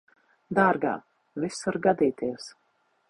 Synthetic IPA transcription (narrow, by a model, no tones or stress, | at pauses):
d̪aːɾɡa̰ː | visuɾɡad̪iːt̪iɛs